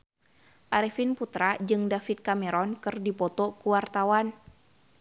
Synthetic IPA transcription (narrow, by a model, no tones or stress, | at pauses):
ʔaɾɛfinput̪ɾad͡ʒɨŋdafit̪̚kamɛɾɔnkɨrdipɔt̪ɔkuwart̪awan